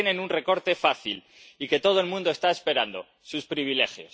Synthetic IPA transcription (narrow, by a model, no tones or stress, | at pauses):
enenunre̞ko̞ɾt̪e̞faθil | ike̞t̪o̞ð̞oe̞lmũnd̪o̞e̞st̪ae̞spe̞ɾand̪o̞̰ | suspɾiβ̞ile̞xjos